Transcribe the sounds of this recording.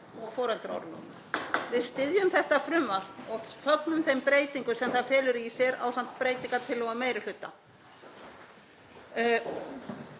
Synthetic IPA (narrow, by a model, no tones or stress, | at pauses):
ɔɣfɔːɾɛlt̪ɾɔ̰ɾnṵna | vɪðst̪ɪðjʏmθɛht̪afɾʏmːaɾɔɣfœk̪nʏmθejmpɾeːjt̪iŋkʏsɛmθaðfɛːlʏɾsjɛɾa̰ːwsan̥t̪pɾeːjt̪iŋkat̪ʰɪlːɔɣameːjɾɪlʏt̪ːa